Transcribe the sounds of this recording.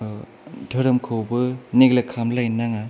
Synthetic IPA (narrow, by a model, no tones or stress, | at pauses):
dʰʱɯɾɯmkʰɯwbɯneɡlekʰːamlajnaŋa